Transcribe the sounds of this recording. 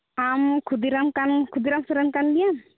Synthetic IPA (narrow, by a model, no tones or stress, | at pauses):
amkʰud̪iɾamkankʰud̪iɾamsuɾankand̪ijan